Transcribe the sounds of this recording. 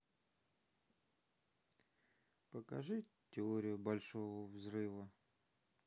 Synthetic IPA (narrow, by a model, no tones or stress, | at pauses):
pəkɐ̰ʐɨ | tʲɪoɾʲɪjʊbɐlʲʂovəvzrɨvə